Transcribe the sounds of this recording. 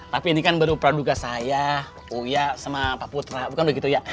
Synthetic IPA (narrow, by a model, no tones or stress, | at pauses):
t̪apiːnikanbəɾupɾaduɡasaja | ujasamapaput̪ɾabukanbəɡit̪uja